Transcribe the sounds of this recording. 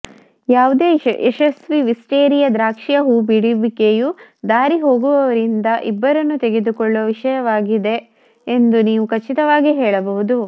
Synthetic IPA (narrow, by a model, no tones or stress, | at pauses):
jaːʋud̪eːeʃɐsʋiʋisʈeːɾijɐd̪ɾaːkʂijɐɦuːbiɽibikejud̪aːɾiɦo̞ːɡuʋɐʋɐɾind̪ɐʔibːɐɾɐnːut̪eɡe̞d̪ukɔɭːoʋiʂɐjɐʋaːɡid̪e̞ː | nd̪uniːʋukɐt͡ʃːit̪ɐʋaːɡiɦɛːɭɐbɐɦud̪u